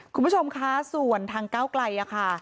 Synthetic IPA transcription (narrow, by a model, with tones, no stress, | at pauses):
kʰu˧pʰːu˦˥t͡ɕʰo˧mkʰa˦˥su˨˩ənt̪ʰaː˧ŋkaː˥˩wkla˧jʔa˨˩kʰa˥˩